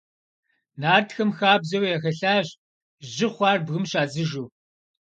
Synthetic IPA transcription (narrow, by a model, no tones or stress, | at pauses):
naːrtxɐmxaːbzɐwjaxɐɬaːɕ | ʑɪχʷɑːrbɣɨmɕaːzɨʒuː